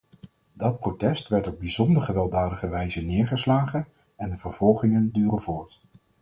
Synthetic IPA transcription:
dɑt̚protɛstʋɛɹtɔb̚bizɔndəɹχəʋɛlˠdɑːdəχəʋɛjzənɪːɹχəslaːχən | ɛndəvəɹv̥ɔlˠχɪŋəndyːrəvʊːɹt

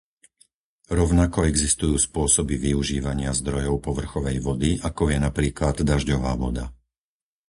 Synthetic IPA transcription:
ɾɔʊnakɔɛɡzist̪ujuːspʊɔsɔbiʋiuʒiːʋaɲɪazd̪ɾɔjɔʊpɔʋr̩xɔʋɛjʋɔd̪iʔakɔjɛnapɾiːklad̪d̪aʒɟɔʋaːʋɔd̪a

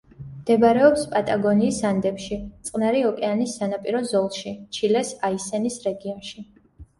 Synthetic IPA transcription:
md̪̥ɛbaɾɛɔpspʼat̪ʼaɡɔniːsand̪ɛpʃit̪sʼqʼnaɾiɔkʼɛanisːanapʼiɾɔzɔlˠʃit͡ʃʰilɛsaisɛnisɾɛɡiɔnʃi

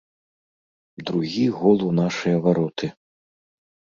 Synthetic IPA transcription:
d̪ɾuɣʲiɣɔlˠunaʂɨjɐvaɾɔt̪ʰɨ

